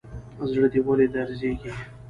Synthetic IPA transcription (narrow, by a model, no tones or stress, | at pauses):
zɽəd̪iwəled̪aɾzeɡi